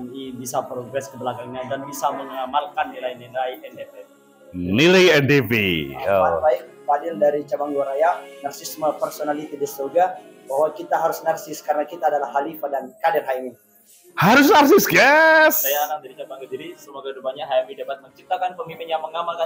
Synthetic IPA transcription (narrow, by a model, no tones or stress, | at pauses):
nibisapɾoɡɾɛskəbəlakaŋɲadanbisaməŋamalkanːilainilaiɛndep̪e | nilajɛndevḭbat̪̚baɪk̚padɪldaɾit͡ʃabaŋɡoɾajanarsɪsməpərsonalit̪idəsoɡa | baɦwakit̪aɦaɾʊsnarsɪskaɾənakit̪aːdalahɦalifadankadɪrɦajmi | haɾʊsnarsɪsɡɛssajaːnaŋ̚daɾit͡ʃabaŋɡodiɾisəmoɡadupaɲaɦajmidebat̪̚məɲt͡ʃip̚t̪akanpəmimɪnjaŋməŋamalka